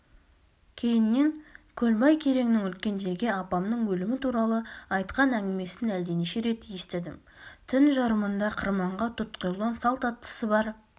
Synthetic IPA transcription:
kʲʰe̞jɪnːe̞ŋkʲʰɵlbɑjkʲʰe̞ɾe̞ŋnɪŋʏlkʲe̞nd̪e̞ɾɡʲe̞ɑpɑmnəɴwɵlɪmɪt̪ʰuɾɑlˠəɑjt̪qɑnæŋɡʲɪme̞sɪnæld̪eneiʃe̞ɾe̞t̪je̞st̪ɪd̪ɪm | t̪ʰɪnʒɑɾəmənd̪ɑqʰəɾmɑɴʁɑt̪ʰʊt̪qəjlˠonsɑlˠt̪ɑt̪ːə̥səbɑɾ

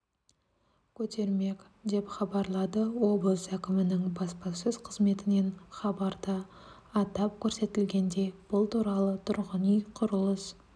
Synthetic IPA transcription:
kʲʰɵt̪ʰe̞ɾme̞k | d̪e̞pχɑbɑɾlˠɑd̪əwo̞b̪ˠəsækʲɪmɪnɪŋbɑspɑsəzqʰəzme̞t̪ɪne̞nχɑbɑɾd̪ə | ɑt̪ɑp̚kʲʰɵɾse̞t̪ɪlɡʲe̞nd̪e̞b̥ʊlˠt̪ʰuɾɑlˠət̪ʰʊɾʁənijqʰʊɾəlˠəs

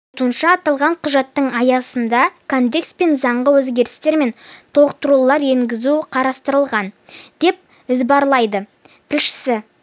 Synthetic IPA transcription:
t̪uənʃɑːt̪ɑlˠʁɑɴqʰʊʒɑt̪ːəɴɑjɑsənd̪ɑkʰond̪e̞kspe̞nzɑɴʁəwɵzɡʲe̞ɾɪst̪e̞ɾme̞nt̪ʰoq̚t̪əɾulˠɑɾe̞ŋɡʲɪzuqʰɑɾɑst̪əɾəlˠʁɑnd̪̥e̞p̚ | ɪzbɑɾlˠɑjd̪ə | t̪ʰɪlʃɪ̥sɪ

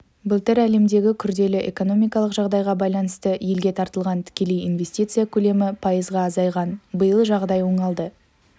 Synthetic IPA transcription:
bʊlˠt̪ɪɾæle̞md̪e̞ɡʲɪkʲʰʏɾd̪e̞lɪʔe̞̰ko̞no̞mijkɑlˠəqʒɑʁd̪ɑjʁɑbɑjlˠɑnəst̪əje̞lɡʲe̞t̪ʰɑɾt̪əlˠʁɑnt̪ʰɪ̥kʲe̞le̞jinve̞sʲt̪ʲit̪sɨjakʲʰɵle̞mɪpʰɑjəzʁɑːzɑjʁɑnbəjəlˠʒɑʁd̪ɑjwoɴɑlˠd̪ə

